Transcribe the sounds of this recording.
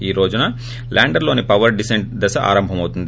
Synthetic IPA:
iːɾoːd͡ʒunɐ | lʔaːɳɖɐɾlo̞ːnipɐʋɐɾɖiseɳʈ̚d̪ɐsɐʔa̰ːɾɐmbʱɐmɐwut̪und̪i

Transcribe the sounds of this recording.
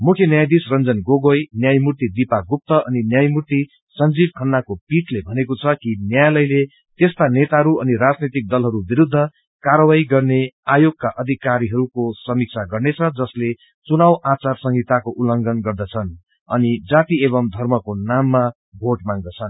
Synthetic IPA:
mukʰjʌnjajd̪isrʌnd͡zʌnɡoɡojnjajmurt̪id̪ipaɡup̚t̪ʌʔʌninjajmurt̪i | sʌnd͡zib̚kʰʌnːakopiʈlebʱʌnekot͡sʰʌkinjajlʌjle | t̪est̪anet̪aɦʌɾuʌniɾad͡znit̪ik̚d̪ʌlɦʌɾubiɾud̪ʱːʌ | kaɾʌwaiɡʌrneajoɡ̚kaʔʌd̪ʱikaɾiɦʌɾukosʌmik̚t͡sʰaɡʌrnet͡sʰʌd͡zʌsle | t͡sunawʔat͡sarsʌŋɡit̪akoʔulʌŋɡʌnɡʌrd̪ʌt͡sʰʌn | ʌnid͡zat̪ieβʌmd̪ʱʌrmʌkonamːa | bʱoʈmaɡd̪ʌt͡sʰʌn

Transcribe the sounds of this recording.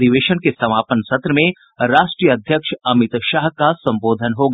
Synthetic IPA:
d̪iʋeːʃənkesɐmaːpənsɐt̪ɾəmẽ | ɾaːʃʈɾijəɐd̪ʱjəkʃɐmɪt̪ʃaːɦkasɐ̃mboːd̪ʱənɦoːɡa

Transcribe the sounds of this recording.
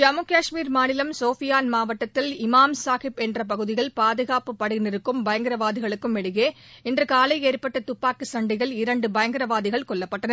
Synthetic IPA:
d͡ʒɐmɯkaːʂmiːɾmaːnɪlɐmsoːfɪjaːnmaːʋɐʈːɐt̪ːɪlɪmaːmsaːɣɪpɛndrɐp̬ɐɣɯðɪɣɐɭpaːðɯɣaːpɯpːɐɽɪnɪɾɯkːɯmbɐjɐŋɡɪɾɐʋaːðɪɣɐɭɯkːɯmɛɽɯɣeːɛndrɯkaːlɐɪeːrpɐʈːɐt̪ʊpːaːkɯsɐɳɖɪɣɐɭɪɾɐɳɖɯbɐjɐŋɡɪɾɐʋaːðɪɣɐɭkɔɭːɐpːɐʈːɐnɐɾ

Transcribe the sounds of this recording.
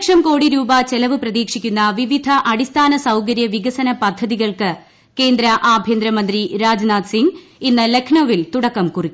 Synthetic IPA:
ʂɐmko̞ːɽiɾuːbɐt͡ɕe̞lɐʋɨprɐðiːkʂikʲːunːɐʋiʋid̪ʱɐʔɐɽist̪ʰaːnɐsɐwk̬ɐɾjɐʋiɣɐsɐnɐpɐd̪ʱːɐðiɣɐɭkɨ | ke̞ːnd̪ɾɐʔaːbʱjeːnd̪ɾɐmɐnd̪riɾaːd͡ʑnaːd̪siŋɡ | inːɨle̞kʰɳoʋilt̪uɽɐkːɐmkurikʲːu

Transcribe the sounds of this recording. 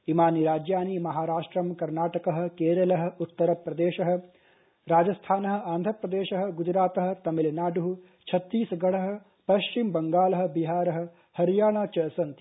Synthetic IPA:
imaːniɾaːd͡ʒjaːnimɐɦaːɾaːʂʈɾɐmkɐɾnaːʈɐkɐɦɐ̆keːɾɐlɐɦɐ̆ut̪ːɐɾɐpɾɐd̪eːʃɐɦɐ̆ | ɾaːd͡ʒɐst̪ʰaːnɐɦɐ̆aːnd̪ʱɐpɾɐd̪eːʃɐɦɐ̆ɡud͡ʒɾaːt̪ɐɦɐ̆t̪ɐmilɐnaːɖuɦu | t͡ʃʰɐt̪ːiːsɐɡɐɭɐɦɐ̆ | pɐʃt͡ʃimbɐŋɡaːlɐɦɐ̆biɦaːɾɐɦɐ̆ | hɐɾjaːɳaːt͡ʃɐsɐnt̪i

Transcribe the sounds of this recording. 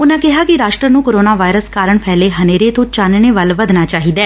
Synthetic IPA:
ʊnãːkɪɦaːkɪɾaːʃʈɾənũːkoːɾoːnaːʋaːɪɾəskaːɾəɳpʰɛːleːɦəneːɾeːt̪õːt͡ʃaːnɳeːʋəlʋəd̪naːt͡ʃaːɦiːd̪ɛː

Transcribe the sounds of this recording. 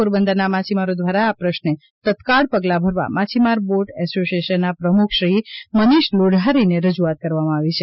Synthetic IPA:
uɾbənd̪əɾnamat͡ʃimaɾod̪ʋaɾaːpɾəʃne | t̪ət̪kaɭpəɡlabʱəɾʋa̰mat͡ʃʰimaɾboʈɛsoʃieʃənːapɾəmukʰʃɾiməniʃloɖʱaɾineɾəd͡ʒuat̪̚kəɾʋamãaʋit͡ʃʰe

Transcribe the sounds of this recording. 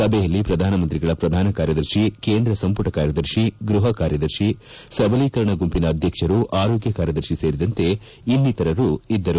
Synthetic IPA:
sɐbʱɛjɐlːipɾɐd̪ʱaːnɐmɐnt̪ɾiɡɐɭɐpɾɐd̪ʱaːnɐkaːɾjɐd̪ɐɾʃikeːnd̪ɾɐsɐmpuʈɐkaːɾjɐd̪ɐɾʃiɡɾuɦɐkaːɾjɐd̪ɐɾʃisɐbɐliːkɐɾɐɳɐɡumpinɐːd̪ʱjɐkʂɐɾuʔaːɾoːɡjɐkaːɾjɐd̪ɐɾʃiseːɾid̪ɐnt̪e̞ | inːit̪ɐɾɐɾuid̪ːɐɾu

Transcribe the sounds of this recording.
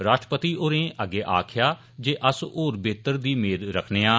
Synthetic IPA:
ɾaːʃʈɾəpət̪iːʔoːɾẽːʔəɡeːʔa̰ːkʰɪjaː | d͡ʒeːʔəsoːɾbeːt̪əɾd̪iːmeːd̪ɾəkʰneːãː

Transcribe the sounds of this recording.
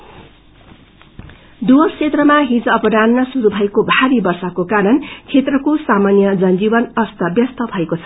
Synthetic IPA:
d̪uɦʌsʰet̪rʌmaɦid͡zʌpʌɾanːʌsuɾubʱʌekobʱaɾibʌrsʌkokaɾʌnt͡sʰet̪rʌkosamanjʌd͡zʌnd͡zibʌnʌst̪ʌbjʌst̪ʌbʱʌekot͡sʰʌ̥

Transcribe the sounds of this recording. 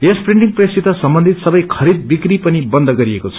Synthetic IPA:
espriɳʈiŋprjsit̪ʌsʌmbʌnd̪ʱit̪sʌbʌjkʰʌɾid̪̚bikripʌnibʌnd̪ʱʌɡʌɾiekot͡sʰʌ

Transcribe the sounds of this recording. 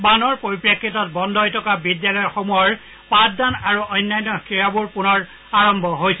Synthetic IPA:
banɔɹpoɹipɹekʰːitɔtbɔndɔjtʰɔkabidjalɔjxomɔjɔɹ | patdanaɹuʔɔjnːajnːɔkiɹabuɹpunɔɹ | aɹɔmbʱɔɦojsɛ

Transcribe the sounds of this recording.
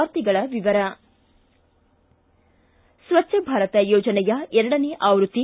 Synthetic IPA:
ɾt̪iɡɐɭɐʋiʋɐɾɐ | sʋɐt͡ʃːʃɐbʱaːɾɐt̪ɐjɔːd͡ʒɐnɛjɐɛɾɐɽɐneʔaːʋɾut̪ːi

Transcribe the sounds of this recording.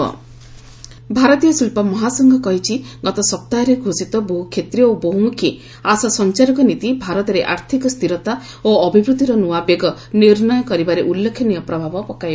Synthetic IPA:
ɔ̰ | bʱaɾɔt̪ijɔsilpɔmɔɦasɔŋɡʱɔkɔɦit͡ʃʰiɡɔt̪ɔsɔp̚t̪aɔɾeɡʱosit̪ɔboɦukʰːet̪ɾijɔoboɦumukʰi | asɔsɔnt͡ʃaɾɔkɔnit̪ibʱaɾɔt̪ɔɾeʔaɾt̪ʰikɔst̪iɾɔt̪a | oɔbʱibɾut̪iɾɔnuabjeɡɔniɾnɔjɔkɔɾibaɾeʔulːekʰjɔnijɔpɾɔbʱabɔpɔkaj

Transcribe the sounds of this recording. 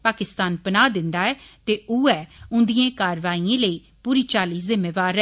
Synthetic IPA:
paːkɪst̪aːnpənaːd̪ɪnd̪aːɛːt̪eːuːɛːʊ̃nd̪iːãːkaːɾʋaːiãːləiː | puːɾiːt͡ʃaːliːzɪmːeːʋaːɾɛː

